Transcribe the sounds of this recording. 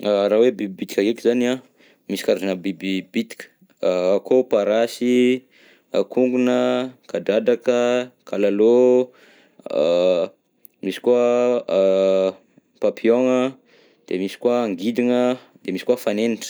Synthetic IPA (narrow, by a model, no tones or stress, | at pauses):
aɾawebibibit̪i̥kʲaɡekizania | misi̥kaɾazanəbibibit̪i̥kʲə̥ | akopaɾasi | akuŋɡunəkadad̪akəkalalo | misi̥kwa | papʰioŋə | d̪̥emisi̥kwaːŋɡid̪iŋə | d̪̥emisi̥kwuafaneniʈ͡ʂə̥